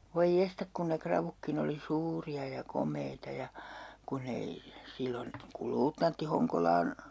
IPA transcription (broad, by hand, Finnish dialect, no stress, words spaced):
ʋoi jestɑk kun ne krɑʋukːin oli suːriɑ jɑ komˑeitɑ jɑ kun ei silːon kul luːtnɑntːi hoŋkolɑːn